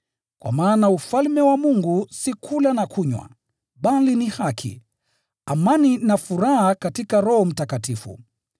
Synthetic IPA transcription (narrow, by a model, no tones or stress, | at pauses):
kwa̰maːnaufalmɛwamuŋɡusikʰulanakʰuɲwa̰ | ɓalinihakʰḭ | amaninafuɾahakatikaɾɔhɔm̩takatifṵ